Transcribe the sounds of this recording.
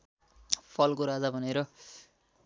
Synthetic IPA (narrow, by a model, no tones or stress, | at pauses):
pʰʌlkoɾad͡zabʱʌneɾʌ